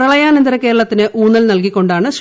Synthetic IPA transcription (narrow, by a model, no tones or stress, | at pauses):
rɐɭɐjaːnend̪iɾɐkːeːɾɐɭɐt̪ːinɨʔuːnːɐlnɐlkikʲːo̞ɳɖaːɳɨɕ